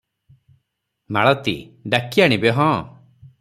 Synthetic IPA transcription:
maɭɔt̪ḭɖakiaɽ̃ibeɦɔ̃

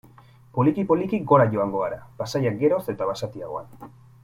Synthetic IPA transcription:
polikipolikiɡo̞ɾaʝo̞aŋɡo̞aɾapasajak̚ɡe̞ɾo̞se̞t̪aβasat̪iaɣo̞a̰n

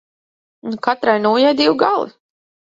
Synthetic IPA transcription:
nukat̪ɾajnuːjajd̪iwɡalˠḭ

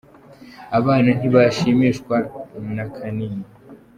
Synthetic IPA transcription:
aβaːnan̥iβaʃimiʃkwanakʰaniːna

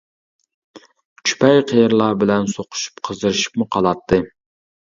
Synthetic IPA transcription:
t͡ʃʰy̥pʰɛjqʰejɾlˠɑːbɪlɛnsoqʰʊ̥ʃy̥pqʰəzd̪ɨɾɨʃi̥pmʊqʰɑlˠɑt̪ʰːɨ

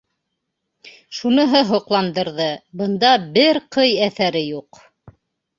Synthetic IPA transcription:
ʃunɤ̆ɦɤɦŏqlˠɑnd̪ɤ̆ɾðɤbɤ̆nd̪ɑbɘɾqʰɤjæθæɾɘjuq

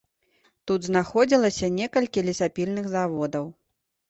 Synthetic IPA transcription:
t̪ud̪znaxɔd͡zʲilˠɐsʲɐnʲɛkɐlʲkʲilʲisapʲilʲnɨɣzavɔd̪ɐw

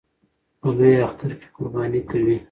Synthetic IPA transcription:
pəd̪ujaxt̪aɾke̥kʊɾbɑnikawi

